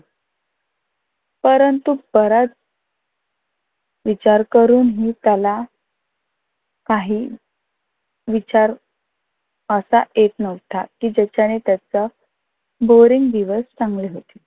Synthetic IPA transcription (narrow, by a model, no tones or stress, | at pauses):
pəɾənt̪ubəɾat͡s | ʋit͡ɕaɾkəɾuːnɦiːt̪jala | kaɦiː | ʋit͡ɕaɾ | əsaʔjet̪nəʋt̪ʰakiːd͡ʑət͡ɕanet̪jat͡sə | boɾiŋɡd̪iʋəst͡sãŋɡleɦot̪e̥